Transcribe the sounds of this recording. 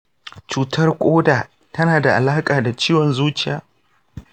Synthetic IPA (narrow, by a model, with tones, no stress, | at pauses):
t͡ʃuː˨tʰɐ˦rkʷʼoː˦daː˨ | tɐ˦naː˨da˨ʔa̰˨laː˦kʼaː˨da˨t͡ʃiː˦wɔ˨nzuː˦t͡ʃɪ˨jaː˨˦